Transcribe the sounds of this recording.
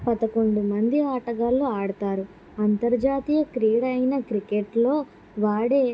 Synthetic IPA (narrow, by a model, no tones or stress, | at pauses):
pɐd̪ɐko̞ɳɖumɐnd̪iaːʈɐɡaːlːoːaːɽɐt̪aːɾu | ɐnt̪ɐɾd͡ʒaːt̪ijɐkɾiːɽɐjnɐkɾikeʈlo̞ː | ʋaːɽeː